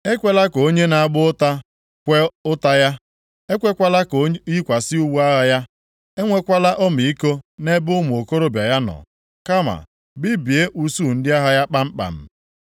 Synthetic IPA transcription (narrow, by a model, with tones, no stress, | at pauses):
e˦kʷe˦la˦ko˨o˦ɲe˦na˨a˦˨ɡ͡bʊ˦ta˦ | kʷe˦ʊ˦ta˦ja˦ | e˦kʷe˦kʷa˦la˦ko˨˦i˦kʷa˨sɪ˦u˦wu˦a˦ɦa˦ja˦ | e˦ŋʷe˦kʷa˦la˦ʔɔ˦mi˨i˦ko˦ne˦bʊ˦mʊ˨o˨ko˦ɾo˦bja˨ja˦nɔ̰˨ | ka˦ma̰˨ | bɪ˦bi˨e˦ʔu˨su˦˨n̩˦dɪ˦a˦ɦa˦ja˦k͡pa˦m̩˦k͡pa̰˨m̩˨